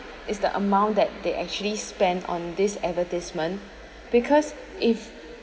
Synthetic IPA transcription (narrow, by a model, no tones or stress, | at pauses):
ɪsdə̰ʔə̰mãʊ̃ndɛt̚deʔɛk̚t͡ʃuəlispɛ̃ndɔ̰̃ndɪsɛvətismə̃n | b̥ikʰɔs | ɪf